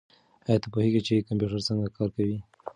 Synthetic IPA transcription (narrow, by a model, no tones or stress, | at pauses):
ajɑt̪apoheɡit͡ʃekampjuʈaɾt͡səŋɡakɑɾkawi